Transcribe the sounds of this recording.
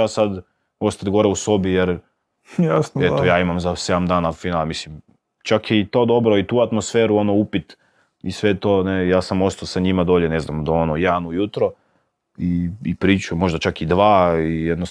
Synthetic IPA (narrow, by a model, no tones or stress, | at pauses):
asad̪ | o̞st̪at̪ɡo̞ɾeuso̞bijeɾ | jaset̪ojaːimamzase̞d̪amd̪aːnafinaːlmislim | t͡ʃakiit̪o̞ːd̪o̞bɾoit̪uːat̪mosfeːɾuonoupit̪ | isʋet̪o̞ːnejaːsamo̞st̪alsaɲimad̪oːʎene̞znamd̪aonojanujut̪ɾo | iipɾiːt͡ʃumo̞ʒd̪at͡ʃakid̪ʋaːijed̪no